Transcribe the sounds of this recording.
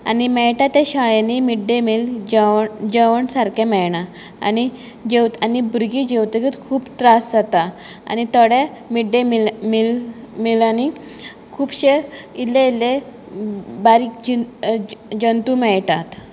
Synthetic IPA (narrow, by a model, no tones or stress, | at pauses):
animɛjʈat̪eɕaɭjanimiɖemild͡ʑd͡ʑəʋəɳsaɾkemɛjɳa | a̰ni | d͡ʑewt̪anibuɾɡid͡ʑewt̪ekit̪kʰuːpt̪ɾasd͡zat̪a | a̰nit̪əɽemiɖemimilmilani | kʰuːbɕeilːele | baɾiːkd͡ʑi | d͡ʑənt̪umɛjʈat̪